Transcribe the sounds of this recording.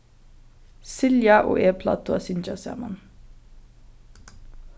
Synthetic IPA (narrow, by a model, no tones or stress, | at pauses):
sɪljɑʔo̰ːʔeːpʰlɑ̰ːt̪ʊɑsɪnd͡ʒɑsɑ̰ːmɑ̰n